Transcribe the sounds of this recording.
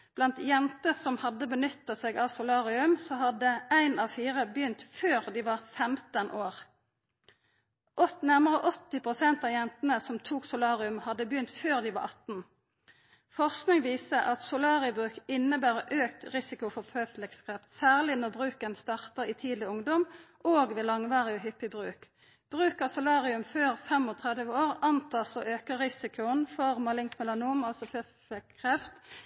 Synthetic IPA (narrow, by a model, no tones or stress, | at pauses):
b̥lɑnt̪jɛnt̪əsɔmhɑd̪əbənʏt̪ːɑseːɡɑʋsʊlɑːʁɪʉmsɔhɑd̪əæɪnɑːʋfiːʁəbjʏnt̪føːʁd̪iʋɑʁfɛmt̪ənʔoːʁ | ʔɔt̪næʁməʁəʔɔt̪ːɪpʰʁʊsɛnt̪ɑːjɛnt̪ənəsɔmt̪ʰuːksʊlɑːʁɪʉmhɑd̪əbjʏnt̪føːʁd̪iʋɑ̰ʁɑt̪n̩ | fɔʁsknɪŋʋiːsəʔɑt̪sʊlɑːʁɪbʁʉːkɪnːəbæːʁəʔøːkt̪ʁɪsɪkʊfɔʁføːflɛkskʰʁɛft̪sæːʁlɪnɔʁbʁʉːkənst̪ɑʁt̪əʁiːt̪ʰiːd̪lɪʊŋd̪ɔm | oːɡʋeːlɑŋʋɑːʁɪɔɦʏpːɪbʁʉːk | b̥ʁʉːkəʁsʊlɑːʁɪʉmføːʁfɛmɔt̪ʰʁɛd̪əʋəoːʁɑnt̪ʰɑːsɔʔøːkəʁɪsɪkʰʊənfɔʁmɑlɪŋt̪mɛlɑnuːmɑlsɔføː | flɛkkʰʁɛft̪